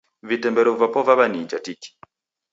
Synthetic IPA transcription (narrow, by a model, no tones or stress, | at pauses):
vitɛmbɛɾɔvapɔvaβanid͡ʒatiki̥